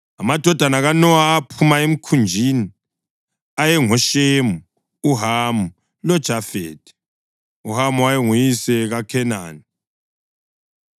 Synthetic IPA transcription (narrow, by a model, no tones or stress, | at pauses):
amad̥ʱɔd̥ʱanaɣanɔaːpʰumaem̩kʰund͡ʒʱini | ajɛŋɔʃemu | uɦamu | lɔd̥ʒ̥ʱafḛːd̥ɛ̥ | uɦamuwajɛŋujisɛɣakʰɛna̰ːni